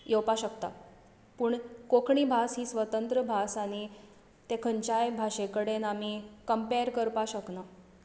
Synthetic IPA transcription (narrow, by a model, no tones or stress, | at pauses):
jewpaɕəkt̪a̰ | puːɳkokʰɳiːbʱasɦiːsʋət̪ənt̪ɾəbʱasañi | t̪ekʰəɲt͡ɕajbʱaɕekəɽenamikəmpeɾkəɾpaɕəkna